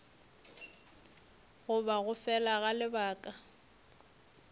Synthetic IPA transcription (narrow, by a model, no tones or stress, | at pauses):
ɣʊbaɣʊfɛlaɣalɪbaːkʼa